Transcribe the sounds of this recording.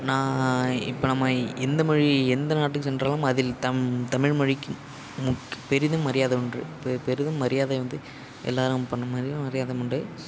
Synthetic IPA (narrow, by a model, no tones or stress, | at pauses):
nãːɪ̰pːoːnɐmːɐɛnd̪ɐmɐɻiɛnd̪ɐnaːʈːɯkːɯsɛndraːlɯmɐðɪlt̪ɐt̪ɐmɪɻmɐɻɪkːɯ | mʊkːpɛɾɪðɯmːɐɾɪjaːðɐʊɳrɯ̰ppɛɾɪðɯmːɐɾɪjaːðɐʋɐnd̪ɯ | ʔɛ̰lːaːɾɯmpɐɳːɐmɐɾɪmɐɾɪjaːðɐɯɳɖɯ